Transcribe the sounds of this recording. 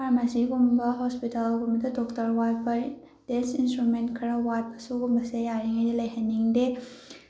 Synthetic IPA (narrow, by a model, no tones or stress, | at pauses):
pʰaɾmasiɡumbɐɦɔspitalɡumbɐdɐdɔktɐɾwajpʰɐ | d̥ensinstɾumentkʰɾɐwajpʰɐ̥suɡumbɐsejaɾiŋɐjdilɐjɦɐnːiŋde